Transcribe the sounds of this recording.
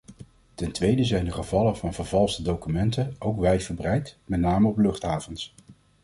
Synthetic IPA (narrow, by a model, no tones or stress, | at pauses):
tɛntʋejdəzɛjndəχəvɑləvɑnvəɹvɑlˠsədowkymɛntənowkʋɛjvəɹbrɛjtmɛtnaːməɔplɵχtɦaːvɔns